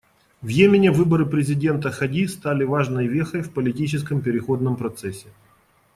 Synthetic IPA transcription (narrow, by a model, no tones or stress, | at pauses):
vjemʲɪnʲɪvɨbəɾɨpɾʲɪzʲɪdʲe̞nt̪əxɐdʲist̪alʲɪvaʐnəjvʲexəjfpəlʲɪtʲit͡ɕɪskəmpʲɪɾʲɪxo̞d̪nəmpɾɐt̪sɛsʲːɪ